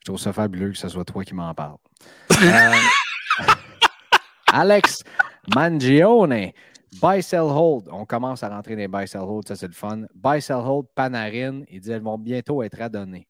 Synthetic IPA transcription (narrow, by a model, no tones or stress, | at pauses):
ʃt̪ʁuvsʌfabyløkə̥saswat̪ʰwakʲimɑ̃ːpa̰ʁl | alɛksmãnd͡ʒione | bajsɛlɦɔld̪ɔ̃kʌmɑ̃saʁɑ̃t̪ʁed̪ẽbajsɛlhɔld̪sʌsɛləfʌnbajsɛlɦold̪̚panaʁɪnild͡zziɛlvɔ̃bjɛ̃t̪oɛːt̪χad̪ɔne